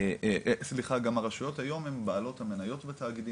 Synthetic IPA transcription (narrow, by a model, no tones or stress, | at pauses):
sliχaɡamaʁaʃujo̞thajo̞membaalo̞thamenajo̞tbetaːɡid̪i